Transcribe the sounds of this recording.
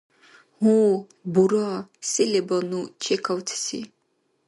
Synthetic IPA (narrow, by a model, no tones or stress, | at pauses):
hu | buɾasɛlɛbɔnut͡ʃʰɛkʰawt̪ʰsḭ